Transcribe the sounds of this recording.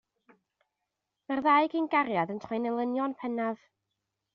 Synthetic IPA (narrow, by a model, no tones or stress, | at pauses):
marðaɨɡinɡaɾjaðəntʰejnɛlˠənjɔnpʰɛnav̥